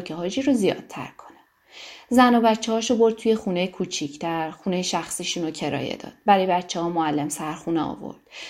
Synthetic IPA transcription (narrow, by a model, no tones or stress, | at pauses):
cʰeɦɒːd͡ʒiɾozijɒ̰ːd̪̚t̪ʰæ̰ɾkʰo̞̥ne | zænobæt̪t͡ʃʰːehɒːʃobo̞ɾd̪̚t̪ʰuje̞xune̞jekʰut͡ʃʰicʰt̪ʰæɾxune̞jeʃæxsiːʃuːnocʰe̞ɾɒ̰ːjḛd̪ɒ̰ːd̪̥̚bæɾɒːjebætt͡ʃʰːehɒːmoælːemsæɾxuneɒ̰ːvo̞̰ɾd̪̥